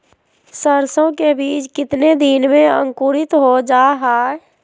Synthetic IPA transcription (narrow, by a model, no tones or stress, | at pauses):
səɾsõkebiːt͡ʃkɪt̪ned̪inmẽə̰̃ŋkuːɾɪt̪ɦod͡ʒaːɦaː